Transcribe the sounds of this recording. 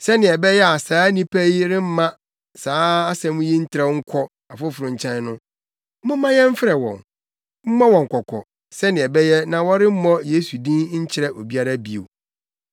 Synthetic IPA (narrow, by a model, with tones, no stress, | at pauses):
sɛ˦nɪ̃˨ɛ˨bɛ˦jɛ˦a˨saː˨˦nĩ˦pʰɛ˦i˦ɾɪ̃˦m̩˦mã˦ | saː˨˦a˦sɛ̃˨mũ˦ji˦n̩˦tʰɪ˦ɾɛ˦ŋ̩˦kʷʰɔ˦ | a˨fʊ˦fʊ˨ɾʊ̃˨ɲ̩˨t͡ɕʰɛ̃˦n˦nʊ̃˦ | mũ˦mːã˦jɛ̃˦m̩˦fɪ˦ɾɛ˨wɔ̰̃˨n | m̩˦mã˦wɔ̃˨ŋ̩˨kʷʰɔ˨kʰɔ̰˨ | sɛ˦nɪ̃˨ɛ˨bɛ˦jɛ˦nã˨wɔ˦ɾɪ˦m̩˦mɔ̃˦je˦su˨dĩ˦nɲ̩˦t͡ɕʰɪ˦ɾɛ˦ʔo˨bi˦a˦ɾa˦bi˨o̰˨